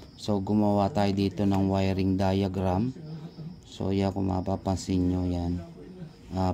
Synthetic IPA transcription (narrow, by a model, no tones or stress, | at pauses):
soɡʊmɐwat̪aːjod̪iːt̪o̞nɐŋwajɾɪŋd̪ajaɡɾam | so̰jakʊma̰ːpapɐnsɪɲɲojan | ʔa